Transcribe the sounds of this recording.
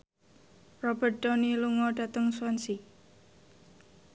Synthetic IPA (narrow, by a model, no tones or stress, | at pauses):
rɔbəɖɔniluŋɔɖa̤t̪əŋswansi